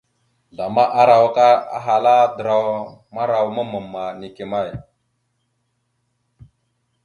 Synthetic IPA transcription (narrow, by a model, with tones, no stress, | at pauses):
ɮa˨ma˦ʔa˦ɾa˨wka˦a̰˦ɦa˨la˦də˨ɾa˨wma˦ɾa˨wmə˦mə˨mːa˨ni˨ke˨ma˦˨j